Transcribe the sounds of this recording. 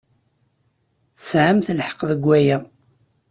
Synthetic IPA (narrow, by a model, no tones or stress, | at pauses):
θəsʕəmθəlħə̥qðəɡʷːæjæ